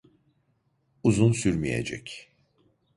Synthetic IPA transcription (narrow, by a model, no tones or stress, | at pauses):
uzunsyɾmijḛd͡ʒɛ̰c